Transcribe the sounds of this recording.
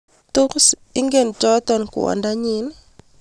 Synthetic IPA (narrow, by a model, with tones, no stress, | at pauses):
to˦ks | i˦ŋɡe˦˨nd͡ʒɔ˦t̪ɔ˦nkʊ̰˨wɔ̰˨nda˦ɲɪ˦n